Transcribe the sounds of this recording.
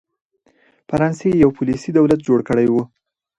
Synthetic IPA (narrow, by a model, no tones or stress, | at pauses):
faɾɑnsejawpulisid̪awlat̪̚d͡ʒoɽkəɽajwu